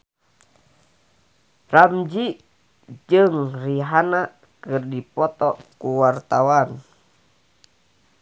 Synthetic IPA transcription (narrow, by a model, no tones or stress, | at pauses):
ramd͡ʒi | d͡ʒɨŋriɦana | kɨrdipɔt̪ɔkuwart̪awan